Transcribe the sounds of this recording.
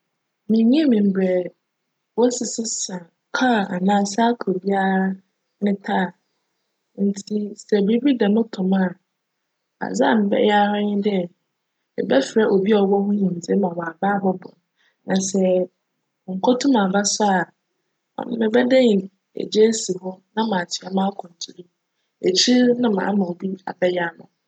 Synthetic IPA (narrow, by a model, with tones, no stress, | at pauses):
mĩ˨ɲĩ˦mɪ̃˨m̩˨bɾɛ˨ | wɔ˦sɪ˨sɪ˦sã˨ | kʰa˦˨a˨nãː˦˨sa˦kʰo˨bi˦a˦ɾa˦ | nɪ̃˦tʰaː˦˨ | n̩˨tʰi˦sɛ˨bɾi˦bi˦da˨nʊ̃˦tʰʊ̃˨ma˦˨ | a̰˨d͡za̰˦˨mɪ̃˨bɛ̰˦ja˦ɾa˦ɲɪ̃˦dɪ˦˨ | mɪ̰˨bɛ˦fɾa˦ʔo˨bi˦ɔ˨wɔ˦hʊ̃˦ɲĩ˨n̩˨d͡ze˦mã˨wɔ̃˨a˨ba˦bɔ˦bʊ̰˨n | nã˨sɛ˨ | ŋ̩˨kʷʰɔ˦tʰũ˦mã˨ba˦sʊ˦a˨ | ɔ̰˨nʊ̃˦mɪ̃˨bɛ˦dã˦ɲ˨ | ḛ˨d͡ʑe˦si˨ɦɔ˦nã˦mã˨tʰɪ˨a˨mã˦kʰʊ̃˨n˨tʰu˨ɾi˦ | e˨t͡ɕʰi˦nã˦mã̰ː˨˦mã˨o˨bi˦a̰˨bɛ˦ja˦nʊ̰̃˨